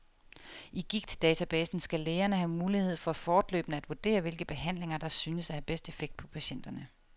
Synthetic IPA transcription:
ʔiɡ̥iɡ̥̚d̥d̥ɛːt͡sʰæb̥ɛːsn̩sɡ̥æleːɐnəhæmuːlihe̝ð̞̰ˠfɒ̽æfɒːd̥lø̰ːb̥nəæd̥ʋuɐd̥e̝̰ːɐʋe̝lɡ̥əb̥e̝ɦæn̰le̝ŋɐd̥ɑ̈syːnəsæhæb̥esd̥e̝feɡ̥̚d̥pʰɒ̽pʰæɕen̰d̥ɐnə

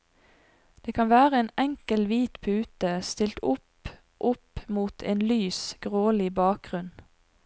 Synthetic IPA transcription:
d̪̥eːkʰɑnʋæːʁəeːnɛŋkəlʋiːt̪pʰʉːt̪əst̪ɪlt̪ʊp | ʔʊpmuːt̪ʰḛːnlyːsɡ̥ʁoːlɪbɑːk̚ɡ̥ʁʉn

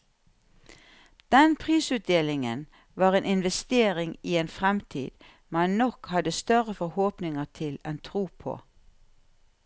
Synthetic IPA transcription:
d̪̥ɛnpʰʁiːsʉːt̪̚d̪eːlɪŋə̰n | ʋɑːʁeːnɪnʋɛst̪eːʁɪŋieːnfʁɛmt̪ʰḭːd̪̥ | mɛnnɔkhɑd̪əst̪œʁəfɔhoːpnɪŋət̪ʰɪlɛnt̪ʰʁuːpʰo̰ː

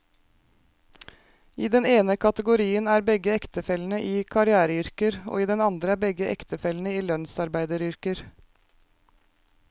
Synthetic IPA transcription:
iːd̪ɛneːnəkʰɑt̪əɡʊɾiːənæːɾbɛɡəɛkt̪əfɛln̩əʔiːkʰɑɾɪæːɾəʏɾkəɾo̰ːiːd̪ɛnɑnd̪ɾəæːbɛɡəʔɛ̰kt̪əfɛlnəiːlœnsɑɾbæɪd̪əɾʏɾkəɾ

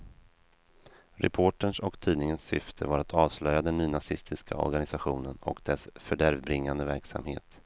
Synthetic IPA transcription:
ɾɛ̰pʰoːʈəɳʂɔkt̪ʰiːdnɪŋənsːʏ̰ft̪ʰəvaɾat̪ʰɑːvslœjad̪ɛnːyːnasɪst̪ʰɪskʰa̰ɔ̰ɾɡanɪsaɧuːnənɔ̰kd̪̥ɛsfœɖæɾvbɾɪŋːand̪əvæɾksa̰mhḛːt̪

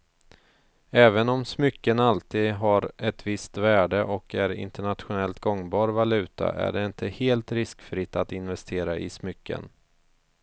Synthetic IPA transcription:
ɛːvənɔmsmʏkːənalt̪ʰiːd̪ɦaɾɛt̪vɪst̪væːɖəʔɔkʰæɾɪ̰nt̪əɳat̪ɧʊnɛlt̪ɡɔŋːbɑːɾvalʉ̟ːt̪ʰa̰ʔæ̰ɖɛɪnt̪ʰəheːlt̪ɾɪskfɾɪt̪ːat̪ɪnvɛst̪ʰeːɾaʔɪ̰smʏkʰːə̰n

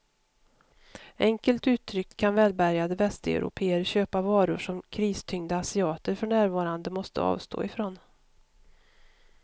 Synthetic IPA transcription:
ʔɛŋkəlt̪ʉ̟ːt̪ʰːɾʏkkʰanvɛːlbæɾjad̪əvɛst̪ɛ̰ʊɾʊ̰pʰeːəɾɕøːpavɑːɾʊʂɔmkʰɾiːst̪ʰʏŋd̪aasɪɑːt̪əɾfɔɳæːɾvɑːɾand̪əmɔst̪ə̰ɑ̰ːvst̪ʰo̰ːɪfɾon

